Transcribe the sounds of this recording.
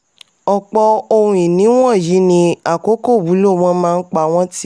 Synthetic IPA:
ɔ˨k͡pɔ˧o˧hũ˧ĩ˨nĩ˨˦w̃ɔ̃˦˨ji˨˦nĩ˧a˨ko˦ko˦˨wu˨˦lo˦˨w̃ɔ̃˦mãː˦˧n̩˦k͡pa˧˨w̃ɔ̃˦ti˦˨

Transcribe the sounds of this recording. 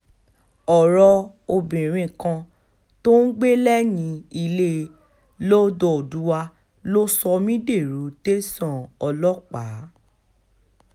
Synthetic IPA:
ɔ˨ɾɔ˧ | o˧bĩ˨ɾ̃ĩ˦˧˨kã˧ | to˦n̩˦ɡ͡be˦lɛ˦nĩ˨˧˦i˧le˦˧ | lo˦do˨o˨du˨˦wa˧ | lo˦sɔ˧mĩ˦de˦˨ɾu˨˦te˦sɔ̃˦˨ɔ˧lɔ˦k͡pa˨˦

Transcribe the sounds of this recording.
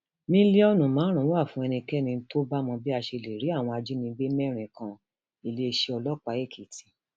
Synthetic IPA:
mĩ˦li˦ɔ˦nũ˨mãː˨˦ɾ̃ã˨˦a˦˨fũ˧˦ɛ˧nĩ˧kɛ˦nĩ˧˦to˦ba˦mɔ̃˧bi˦a˧ʃe˧le˨ɾi˨˦a˦˨w̃ɔ̃˧a˧d͡ʒi˦nĩ˧˦ɡ͡be˦mɛ˦ɾ̃ĩ˨kã˧ | i˨le˧ʃe˧ɔ˧lɔ˦k͡pa˨˦e˦˨kʰi˨ti˨˧

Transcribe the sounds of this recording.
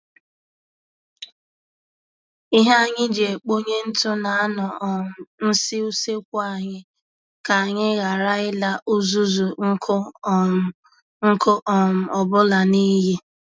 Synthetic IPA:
i˦ɦa˦a˦ɲɪ˦d͡ʒe˨k͡po˦ɲe˦n̩˦tʊ˦na˨a˦nɔ˨m̩˨n̩˦sɪ˦u˦se˦kʷa˨ɲɪ˦ | ka˨a˨ɲɪ˦ɣa˨ɾa˦ɪ˦la˦ʔʊ˦zu˦zu˨˦k | ŋ̩˦ko˦ʔɔ˨m̩˨ɔ˨bʊ˦la˨ni˦je˦

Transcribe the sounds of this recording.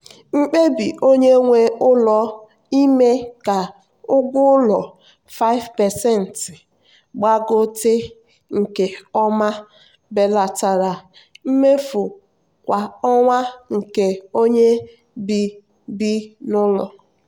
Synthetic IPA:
ŋ͡m̩˦k͡pe˦bi˨ʔo˦ɲe˦ŋʷe˦ʊ˦lɔ˨ | i˦me˦ka˨ | ʊ˦ɡʷʊ˦lɔ˨ | fa˦ɪ˦vpɛ˨sɛ˦˨n̩˨t | ɡ͡ba˦ɡʊ˦tɪ˦ | ŋ̩˨ke˨ɔ˦ma˦ | be˨la˨ta˨ɾa˨ | m̩˦me˦fu˨ | kʷa˨ɔ˦ŋʷa˦ŋ̩˨ke˨o˦ɲe˦ | bi˨ | bi˦nʊ˦lɔ˨

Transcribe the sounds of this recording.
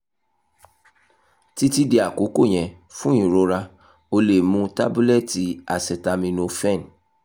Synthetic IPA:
ti˦ti˦di˨˦a˨ko˨˦ko˦˨ɲ̃ɛ̃˨ | fũ˦ĩ˨ɾo˧˦ɾa˧ | o˧le˨mũ˧˦ta˦bu˦lɛ˦˨ti˨˦a˨sɛ˨ta˧mĩ˧nõ˧fɛ̃˦˨n˨

